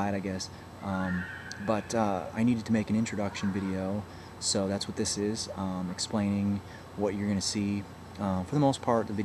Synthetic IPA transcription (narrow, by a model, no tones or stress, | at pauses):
aɪɾaɪɡɛs | ʔʌ̃mb̥ʌɾʌa̰ɪniɾɨd̚tʰɨmeɪkɨ̃ñɪ̃nt͡ʃɹ̥ɨdʌkʃɨ̃nvɪɾioʊ | soʊðætswʌt̪̚ðɪsɪz̥̃mɨksplẽɪ̃nɪ̃ŋ | wʌt͡ʃə˞ɡʌñɨsi | ʌfə˞ðəmoʊspʰɑɹt̪̚ðɨvɪɾ